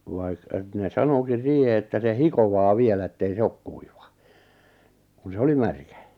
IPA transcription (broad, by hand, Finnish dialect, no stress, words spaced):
ʋ̆ɑ̆ĭk̆ etne sɑnokin̞ siːhe etːæ se hikoʋɑː ʋielæ etːei se ok kuiʋɑ kun se oli mærkæ